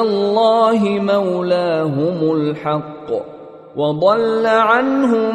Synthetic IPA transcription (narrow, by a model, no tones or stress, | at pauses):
lˤːɑːɦɪmawlaːɦʊmʊlħɑqː | wɑd̪ˤɑlːaʕanɦʊ